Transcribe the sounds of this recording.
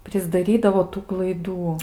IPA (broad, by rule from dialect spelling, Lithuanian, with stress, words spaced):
pʲrʲɪzdɐˈrʲiːdɐʋoː ˈtuː klˠɐɪˈduː